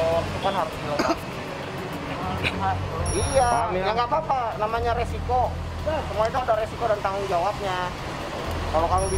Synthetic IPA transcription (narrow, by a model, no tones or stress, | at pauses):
sukanɦaɾusila | ijamjaŋɡapapanamaɲaɾesiko | jasəmuait̪uudaɾesikodant̪aŋʊŋd͡ʒawap̚ɲa | kalokamubi